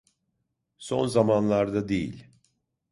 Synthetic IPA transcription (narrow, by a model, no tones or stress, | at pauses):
so̞nzamanlˠaɾd̪ad̪ejḭlʲ